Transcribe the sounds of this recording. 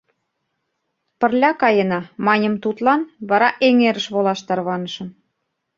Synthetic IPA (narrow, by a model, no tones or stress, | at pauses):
pə̆rlʲɑkɑjə̆nɑmɑnʲə̆mt̪ut̪lɑnβɑɾɑʔeŋeɾə̆ʃβolɑʃt̪ɑrβɑnə̆ʃɤ̆m